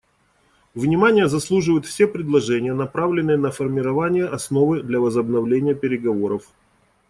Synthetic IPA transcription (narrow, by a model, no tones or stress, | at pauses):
vnʲɪmanʲɪjəzɐslˠuʐɨvəjʊt̪fsʲe̞pɾʲɪd̪lˠɐʐɛnʲɪjənɐpɾavlʲɪnːɨjənəfərmʲɪɾɐvanʲɪjəʔɐsno̞vɨd̪lʲɐvəzəbnɐvlʲenʲɪjəpʲɪɾʲɪɡɐvo̞ɾəf